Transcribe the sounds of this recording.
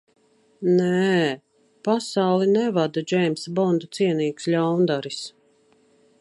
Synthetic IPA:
nɛ | pasawlˠinɛvad̪ad͡ʒɛjmsbɔnd̪ut̪siɛniːksʎʲawnd̪aɾis

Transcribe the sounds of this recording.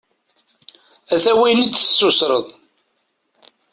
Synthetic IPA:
æθæwijnit͡sːə̥sːʊsɾˤəðˤ

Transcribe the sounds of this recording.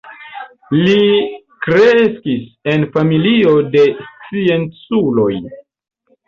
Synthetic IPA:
li | kɾeskise̞nfamilio̞de̞st͡sie̞nt͡sulo̞j

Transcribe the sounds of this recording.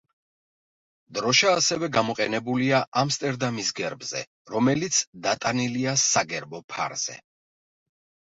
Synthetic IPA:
d̪ɾɔʃaːsɛvɛɡamɔqʼɛnɛbuliaʔamst̪ʼɛɾd̪amisɡɛɾbz̥ɛ̰ | ɾɔmɛlit̪sʰd̪at̪ʼaniliasaɡɛɾbɔpʰa̰ɾz̥ɛ̰

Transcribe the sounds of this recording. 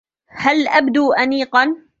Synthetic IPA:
halʔabd̪uːʔaniːqɑn

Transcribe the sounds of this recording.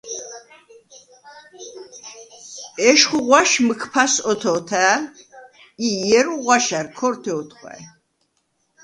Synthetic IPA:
ɛʃχuʁwaʃməkʰpʰasɔt̪ʰɔːt̪ʰæː | ijɛɾuʁwaʃaɾkʰɔɾt̪ʰɛɔt̪ʰχʰʼwa̰ɛ

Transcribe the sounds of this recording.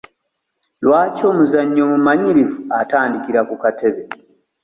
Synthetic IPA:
lwaːco̞ːmuzaɲːomumaɲiɾivuataːndikiɾakukateβe

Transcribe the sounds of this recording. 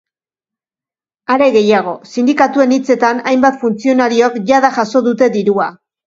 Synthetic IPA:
aɾe̞ɣe̞jaɣ̞o̞sind̪ikat̪ue̞nit͡se̞t̪anajmbat̪funt͡sio̞naɾiokʝaðaʝaso̞ðut̪e̞ðiɾua

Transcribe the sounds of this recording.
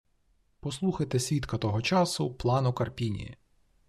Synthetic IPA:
pɔslˠuxɐjt̪esʲʋʲit̪kɐt̪ɔɦɔt͡ʃɑsʊplˠɑnʊkɐrpʲinʲḭjḭ

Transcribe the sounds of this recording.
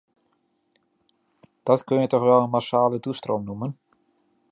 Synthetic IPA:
d̥ɔtkønjətɔxʋɛlˠənmasaːlədustromnumən

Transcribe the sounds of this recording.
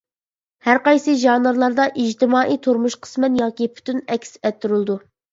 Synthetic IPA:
hæɾqɑjsɨʒɑnɨɾlˠɑɾd̪ɑʔid͡ʒt̪ɪmɑːʔijt̪ʰuɾmuʃqʰə̥smɛnjɑːkʲipʰy̥t̪ʰynɛkʲsɛt̪ʰːyɾɨlˠd̪u

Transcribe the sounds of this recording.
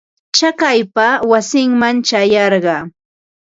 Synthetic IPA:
t͡ʃakajpawasɪŋmant͡ʃajɑɾɢɑː

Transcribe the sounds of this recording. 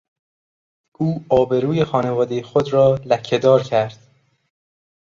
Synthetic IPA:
ʔuːɒːbe̞ɾuːje̞xɒːne̞vɒːd̪e̞jexod̪ɾɒːlæcʰːe̞d̪ɒːɾcʰæɾd̪̥

